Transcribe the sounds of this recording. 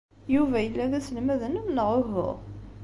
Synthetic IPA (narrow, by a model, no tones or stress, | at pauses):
juvæjəlːæðæsəlmæðənæmnəʁʊɦə̰ʁ